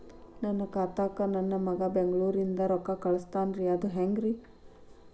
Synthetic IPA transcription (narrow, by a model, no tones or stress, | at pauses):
nɐnːɐkaːt̪aːkɐnɐnːɐmɐɡɐbeŋɡɭuːɾind̪ɐɾɔkːakɐɭɐst̪aːnɾiɐd̪uɦeŋɡɾi